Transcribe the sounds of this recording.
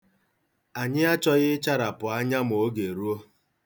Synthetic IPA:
a˨ɲɪ˦a˦t͡ʃɔ˦ɣɪ˦t͡ʃa˦ɾa˨pʊ˨a˦ɲa˦m˨o˦ɡe˨ɾu˦o˦

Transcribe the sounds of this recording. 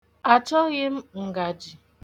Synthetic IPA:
a˨t͡ʃɔ˦ɣɪ˦m̩˦ŋ̩˨ɡa˨d͡ʒi˨

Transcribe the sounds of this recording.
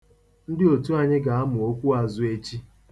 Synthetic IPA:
n̩˦dɪ˦o˨tu˦a˨ɲɪ˦ɡa˨a˦mʊ˨o˦kʷu˦a˨zʊ˨e˦t͡ʃi˦

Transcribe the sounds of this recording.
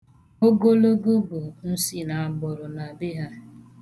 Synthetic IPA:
o˦ɡo˦lo˦ɡo˦bo˨n̩˦si˦na˨a˨ɡ͡bɔ˨ɾʊ˨na˨bɪ˦ɦa˦

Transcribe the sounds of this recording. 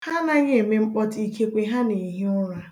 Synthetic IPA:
ha˦na˦ɣe˦e˨me˦ŋ͡m̩˦k͡pɔ˦ti˨kʰe˦kʷe˨ɦa˦ne˨ɦi˦ʊ˦ɾa˨

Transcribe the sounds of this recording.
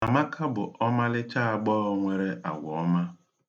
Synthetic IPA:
na˨ma˦kʰa˦bʊ̰˨ʔɔ˦ma˦lɪ˦t͡ʃa˦a˨ɡ͡bɔː˦ɔ˦ŋʷe˦ɾe˦ʔa̰˨ɡʷɔ˨ɔ˦ma˦

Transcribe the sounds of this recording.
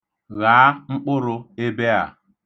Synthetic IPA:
ɣaː˨˦ŋ͡m̩˦k͡pʊ˦ɾʊ˦e˦be˦a̰˨

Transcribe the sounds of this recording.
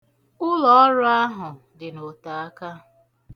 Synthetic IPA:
ʊ˦lɔ˨ɔ˦ɾʊ˦a˦ɦʊ˨ | dɪ˨no˨ta˨a˦ka˦

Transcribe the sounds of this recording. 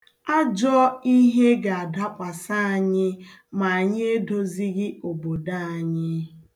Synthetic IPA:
a˦d͡ʒɔ˦i˦ɦe˦ɡa˨a˨da˦kʷa˨sa˦a˨ɲɪ˦ | ma˨a˨ɲɪ˦e˦do˦zi˦ɣɪ˦o˨bo˨da˦˨a˨ɲɪ˦

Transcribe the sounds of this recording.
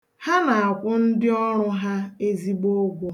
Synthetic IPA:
ha˦na˨a˨kʷʊ˦n̩˦dɪ˦ɔ˦ɾʊ˦ɦa˦e˦zi˦ɡ͡bo˦ɡʷo˦

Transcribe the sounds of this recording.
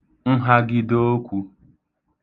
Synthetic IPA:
n̩˦ɦa˦ɡɪ˦do˦o˦kʷu˦

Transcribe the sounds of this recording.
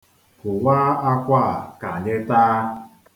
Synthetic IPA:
kʊ˨waː˦a˦kʷa˦˨ka˨ɲe˦taː˦

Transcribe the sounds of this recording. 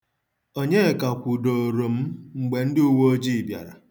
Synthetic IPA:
o˦ɲe˦˨ka˨kʷu˨do˨o˨ɾo˨m̩˦ŋ͡m̩˨ɡ͡be˨n̩˦dɪ˦u˦wo˦o˦d͡ʒi˦˨bja̰˨ɾa̰˨

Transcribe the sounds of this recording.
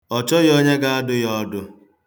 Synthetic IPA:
ɔ˨t͡ʃɔ˦jɔ˦ɲe˦ɡa˦a˦dʊ˦jɔ˦dʊ˦

